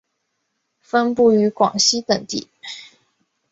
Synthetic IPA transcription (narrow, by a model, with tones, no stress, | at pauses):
fə˥npu˥˩y˧˥kwɑ̰˨˩ŋɕi˥t̪ə˨˩ŋt̪ḭ˥˩˦